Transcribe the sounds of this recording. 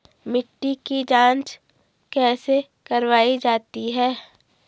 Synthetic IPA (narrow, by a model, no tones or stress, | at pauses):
mɪʈːikid͡ʒãːnt͡ʃ | kɛːse | kɐɾʋaːid͡ʒaːt̪iɦɛː